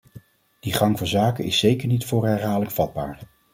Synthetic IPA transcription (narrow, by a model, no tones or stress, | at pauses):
d̥iχɑŋvʊːzaːkənɪsːejkəɹnitfʊːrɦɛɹɦaːləkfɑd̚ba̰ːɹ